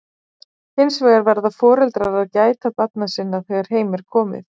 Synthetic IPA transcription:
hɪnsveːjɣaɾvɛɾðafɔːɾɛlt̪ɾaɾaðcaːjt̪apat̪nasɪnːaðθɛɣaɾ̥hɦeːjmɛɾ̥kʰɔːmɪ̰θ

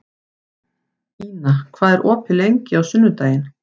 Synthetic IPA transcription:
iːnakʰv̥aːðɛɾʔɔːpʰɪlejɲcɪawsʏnːʏt̪aːjɪn

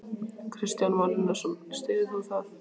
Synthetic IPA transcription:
kʰɾɪst̪janvalɪnːaɾsɛmst̪ɪːðɪθawθaθ

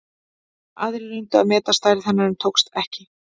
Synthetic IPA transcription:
a̰ːðɾɪɾʏjnt̪ʏaðmɛːt̪ast̪aːjɾɪθanːaɾɛmt̪ʰowkst̪ɛhcɪ

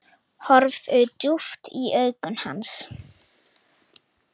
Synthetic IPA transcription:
hɔɾvʏt̪juft̪iʔœɥkʏnha̰ns

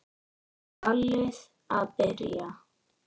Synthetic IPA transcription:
alɛs | abɛɾḭa

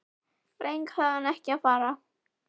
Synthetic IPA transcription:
pɾʔejŋkhaðhanɛhcɪaðfaːɾa

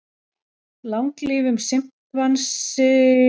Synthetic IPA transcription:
lawŋkliːvʏmsɪm̥kvansɪ

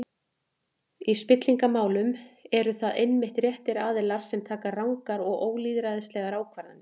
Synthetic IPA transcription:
ispɪt̪liŋkamaːwlʏmɛɾʏθaðejnmɪht̪rjɛht̪ɪɾaːðɪlaɾ̥sɛmt̪ʰaːkarawŋkaɾɔɣoːwliːðɾajðɪslɛɣaɾaːwkʰvaɾanːɪ

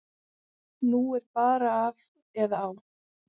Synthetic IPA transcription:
nuɛɾpaːɾaːv | ɛðaːw

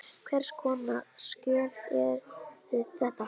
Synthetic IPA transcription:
kʰvɛr̥skʰɔːnascœːlɛɾɪθɛht̪a

